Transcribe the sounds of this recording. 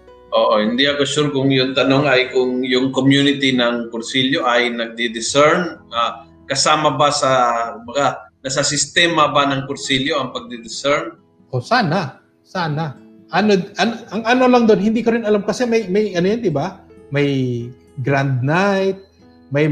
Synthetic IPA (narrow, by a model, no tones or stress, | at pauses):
ʔoːʔohɪnd̪iɐkoʃuɾkʊŋjʊŋt̪ɐnoŋɐjkʊŋjʊŋkomjunɪt̪inɐŋkʊɾsiljo̞ʔɐjnɐɡ̚d̪ɪd̪ɪsɛɹnʔa | kɐsaːmɐbasɐkʊmbɐɡanɐsasɪst̪ɛːmɐbanɐŋkʊɾsiljo̞ɐŋpɐɡ̚d̪ɪd̪ɪsɛɹn | ʔo̞saːnɐ | saːna | ʔɐnoʔɐnʔɐŋɐnolɐŋd̪onhɪnd̪ikɐɾɪnɐlamkɐsɛmɐjmɐjʔɐnojond̪ɪbamɐj | ɡɾand̪̚najt̪̚ | mɐj